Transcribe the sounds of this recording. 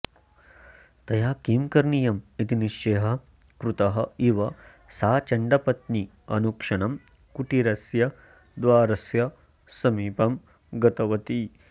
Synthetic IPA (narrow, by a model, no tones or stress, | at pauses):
t̪ɐjaːkiːmkɐɾɳijɐmit̪iniʃeːɦɐ | kɾut̪ɐɦɐiʋɐ | saːt͡ʃɐɳɖɐpɐt̪ni | ɐnukʂɐɳɐm | kuʈiɾɐsjɐ | d̪ʋaːɾɐsjɐ | sɐmiːpɐm | ɡɐt̪ɐʋɐt̪i